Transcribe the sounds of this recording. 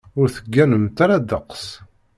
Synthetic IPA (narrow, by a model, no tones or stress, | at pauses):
ʊɾθəɡːænəmt̪aɾad̪əqs